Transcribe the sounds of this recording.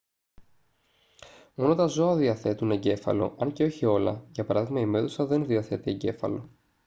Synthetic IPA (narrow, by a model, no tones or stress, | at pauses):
mo̞not̪ɐzo̞ɐðiɐθe̞t̪une̞ɟe̞fɐ̰lo̞̰ʔɐɲceo̞çio̞lɐ̰ʝɐpɐɾɐðiɣmɐime̞ðusɐðe̞nðiɐθe̞t̪ie̞ɟe̞fɐ̰lo̞